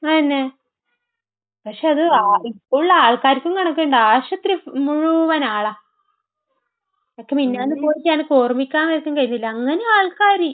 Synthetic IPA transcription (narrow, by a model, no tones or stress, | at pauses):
ɐnːe | pɐkʂe̞ɐðɨaipːoːuɭːɐaːɭkaːɾikʲːuŋkɐɳɐkːeɳɖɨaːɕɐt̪rimuɻuʋɐnaːɭɐ | okːeminːaːnːɨpo̞ːjiɲaːnko̞ːrmikʲːaːnʋɐɾɐk̪ʲːuŋkɐjːunːɐðilːɐːŋːɐneaːɭkaːɾi